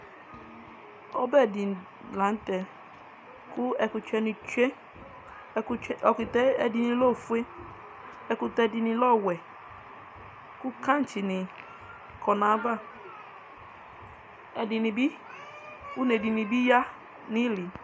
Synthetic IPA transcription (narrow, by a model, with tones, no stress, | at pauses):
ɔ˦bɛ˦˨dɪ˨n˨ | la˨n̩˦tɛ˨ | kʊ˦ɛ˨kʊ˨t͡ʃɛ˦ni˨t͡ʃe˦ | ɔ˨ki˨tɛ˦ɛ˦dɪ˨nɪ˨lo˦˨fu˦e˦ | ɛ˦kʊ˨tɛ˦dɪ˨nɪ˨lɔ˦˨wɛ˨ | kʊ˦ka˦˨n̩˨t͡ʃi˨nɪ˨ | kʰɔ˨na˨˦ba˦˨ | ɛ˨dɪ˨nɪ˨bi˦ | ku˦ne˨di˨ni˨bi˦ja˦ | nɪ˦li˨